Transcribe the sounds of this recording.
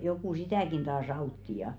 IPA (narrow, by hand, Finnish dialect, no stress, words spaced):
joku sitæˑkin tɑːs ɑutːi jɑ